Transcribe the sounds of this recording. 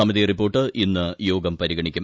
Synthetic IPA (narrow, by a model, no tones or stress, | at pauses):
ɐmɐðiripːo̞ːrʈːɨʔinːɨjoːɡɐmpɐɾiɡɐɳikʲːum